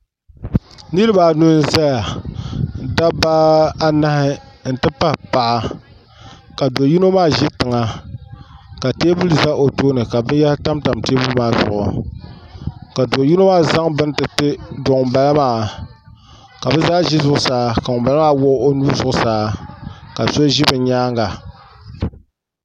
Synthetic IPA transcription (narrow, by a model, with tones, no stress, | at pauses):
nɨ˦ɾɨ˦ba˨nu˦n̩˦za˦ja˨ | da˦baː˦a˦na˦hɪ˦n̩˨tɨ˦pa˦pa˨ʔa˨ | ka˨do˨ji˦no˦maː˦ʒɪ˦tɨ˨ŋa˨ | ka˨teː˦bu˦lu˨za˦ʔo˨toː˦nɨ˨ka˨bɨ˦n˦ja˦lta˦mta˨mteː˦bu˦maː˦˨zʊ̰˨ʔʊ̰˨ | ka˨do˨ji˦no˦maː˦za˦ŋbɨ˦n˦tɨ˨tɨ˦do˨ŋ˨ba˦la˦maː˦ | ka˨bɨ˦zaː˦ʒi˦zʊ˨ʔʊ˦saː˨˦ka˨ŋʊ˨mba˨la˦maː˦wʊ˦ʔo˦nu˦ɾzʊ˨ʔʊ˦saː˨˦ka˨so˦ʒɪ˦bɨ˨˦ɲaː˦ŋɡa˨